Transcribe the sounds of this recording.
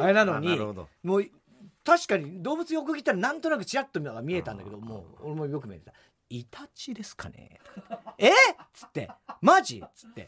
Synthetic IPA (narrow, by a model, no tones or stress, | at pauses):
enanoɲ̟iod̪o̰moː | t̪aɕi̥kaɲ̟id̪o̞ːbɯ̟t͡sɨiok̬ɯɡʲit̪ːaɾanãnt̪o̞nak̬ɯ̟t͡ɕiɾat̪ːomʲiaɡamʲie̞t̪ãnd̪ake̞d̪omo̰ːoɾemojo̞k̬ɯ̟miet̪et̪a | it̪at͡ɕid̪e̞sɨ̥ka̰ne̞̰ | et͡sɨ̥t̪ːe̞̰maʑḭt͡sɨ̥t̪ːe̞̰